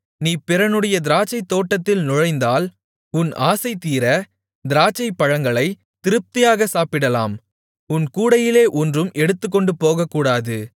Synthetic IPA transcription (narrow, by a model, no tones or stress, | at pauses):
niːpɪɾɐnɯɽɐjɐd̪ɪɾaːt͡ʃːɐɪt̪ːoːʈːɐt̪ːɪlnʊɻɐɪnd̪aːl | ʊna̰ːsɐɪt̪ːiːɾɐ | d̪ɪɾaːt͡ʃːɐɪpːɐɻɐŋɡɐɭɐɪ | t̪ɪɾɯp̚t̪ɪjaːɣɐsaːpɪɽɐla̰ːm | ʊnkuːɽɐjɪleːʔɔndrɯmɛɽɯt̪ːɯkːɔɳɖɯpoːɣɐkːuːɽaːðɯ